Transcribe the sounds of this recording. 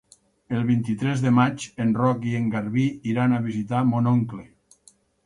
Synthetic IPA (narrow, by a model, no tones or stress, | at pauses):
elˠβint̪it̪ɾɛzðemat͡ʃenrɔkieŋɡaɾβiːɾanaβ̞izit̪amonoŋkle